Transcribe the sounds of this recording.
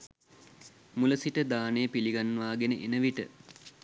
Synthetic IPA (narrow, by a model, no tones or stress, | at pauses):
muləsiʈəd̪aːnejəpiliɡanːəʋaːɡenəʔenəʋiʈə̰